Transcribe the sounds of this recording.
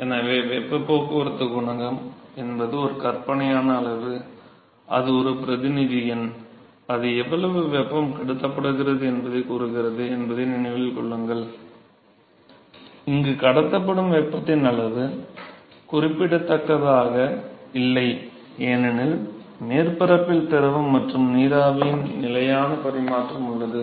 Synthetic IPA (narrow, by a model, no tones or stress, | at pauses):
ɛnɐʋeːʋɛpːɐpːoːkɯʋɐɾɯt̪ːɯɡʊɳɐŋɡɐmɛnbɐðɯɔɾɯkɐrpɐɳɐjaːnɐːɭɐʋɯ | ʔɐ̰ðɯɔɾɯpɪɾɐðɪnɪðɪjɐn | ɐðɯɛʋːɐɭɐʋɯʋɛpːɐmkɐɽɯt̪ːɐpːɐɽɯɣɪrɐðɯɛnbɐðɐɪkuːɾɯɣɪrɐðɯɛnbɐðɐɪnɪɳɐɪʋɪlkɔɭːɯŋɡɐɭ | ɪŋɡɯkɐɽɐt̪ːɐpːɐɽɯmʋɛpːɐt̪ːɪnɐɭɐʋɯ | kʊrɪpːɪɽɐt̪ːɐkːɐðaːɣɐɪlːɐɪ | eːnɪnɪl | meːrpɐɾɐpːɪlt̪ɛɾɐʋɯmːɐʈrɯmniːɾaːʋɐjɪnnɪlɐjaːnɐpɐɾɪmaːʈrɐmʊɭːɐðɯ